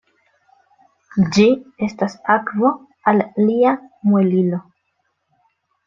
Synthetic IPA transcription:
d͡ʒie̞stasakvo̞ | alːiamwelilo̞

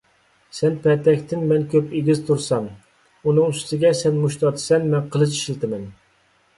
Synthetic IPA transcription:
sɛnpʰɛt̪ɛkʲt̪ʰɪnmɛnkʲʰøpeɡʲizt̪ʰuɾsɑm | unɨŋyst̪ʰɪɡʲɛsɛnmuʃt̪ʰɑt̪ʰɨ̥sɛnmɛnqʰəlˠɨʃi̥ʃilt̪ɪmɛn

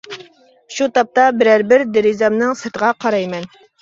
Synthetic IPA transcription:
ʃut̪ɑp̚t̪ɑbɪɾæɾbɪɾd̪eɾizɑmnɨŋsɨɾt̪əʁɑqʰɑɾɑjmɛn

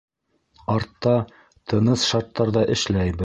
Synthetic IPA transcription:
ɑɾt̪ːɑ | t̪ʰɤ̆nɤsʃɑɾt̪ːɑɾðɑʔɘ̆ʃlæjbɘ

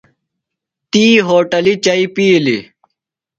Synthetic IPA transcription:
t̪iːɦoːʈɐlit͡ɕɐipiːlḭ

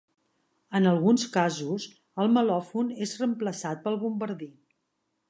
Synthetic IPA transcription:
ənəlˠɣunskazus | əlˠməlɔfunezrəmpləsat̪̚pəlˠβumbəɾði

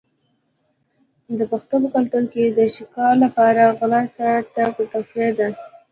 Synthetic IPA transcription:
d̪əpaxt̪opəkalt̪uɾked̪əʃɪkɑlapɑɾaɣlat̪at̪aɡət̪afɾed̪a

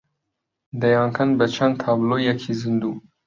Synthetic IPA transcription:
d̪ɐjɑːŋkʰɐnbət͡ʃʰɐnt̪ʰɑːblojɛkʰizɨnd̪uː

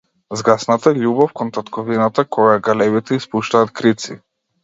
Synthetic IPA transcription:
zɡasnat̪aʎʲubɔfkɔnt̪at̪kɔvinat̪akʰɔɡaɡalɛβit̪ɛispuʃt̪aːt̪kɾit̪si

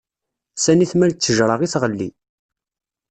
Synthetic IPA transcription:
sæniθmælt͡sːəʒɾˤəʁiθʁəlːḭ

